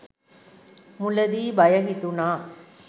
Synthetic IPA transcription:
mulɐd̪iːbɐjɐɦit̪unaː

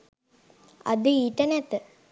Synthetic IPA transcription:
a̰d̪əiʈənɛt̪ə

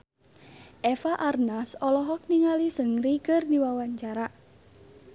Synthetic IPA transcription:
ʔɛfaʔarnasɔlɔɦɔk̚niŋalisəŋrikərdiwawaɲt͡ʃaɾa

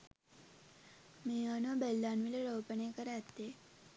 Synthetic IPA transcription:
meanobelːanʋileɾəwpəɳekəɾet̪e

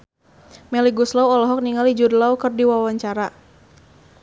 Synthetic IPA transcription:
mɛliɡuslawɔlɔɦɔk̚niŋalid͡ʒudlaukərdiwawaɲt͡ʃaɾa

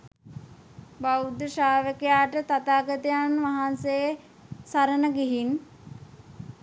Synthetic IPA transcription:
bawd̪əʃaːʋəkejaːʈət̪at̪aːɡət̪əjanʋaɦansejə | saɾənəɡiɦin

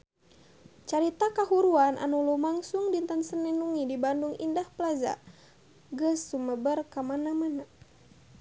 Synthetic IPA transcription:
t͡ʃaɾit̪akaɦuɾuanʔa̰nulumaŋsuŋdint̪ansənɛnuŋidibanduŋindahpəlaza̰ | ɡəsːuməbərkamanamana

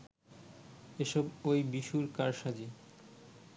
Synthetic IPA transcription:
eʃɔbojbiʃuɾkaɾʃad͡ʑi

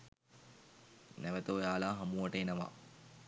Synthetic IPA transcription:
nɛʋət̪əːjaːlaːɦɐmuʋɐʈəenɐʋa̰

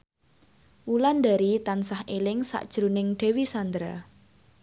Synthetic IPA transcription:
wuland̪aɾit̪ansahelɪŋsa̰ʔd̥ʒ̥ɾṳnɪŋɖ̥e̤wisand̪ɾa

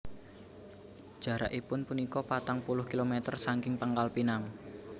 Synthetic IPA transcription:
d̥ʒ̥a̤ɾaʔipʊnpunikɔpat̪aŋpulʊhkilomet̪ərsaŋkɪŋpəŋkalpinaŋ

